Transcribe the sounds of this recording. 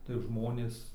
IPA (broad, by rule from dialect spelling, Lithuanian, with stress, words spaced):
tɐɪ ˈʒmoːnʲeːs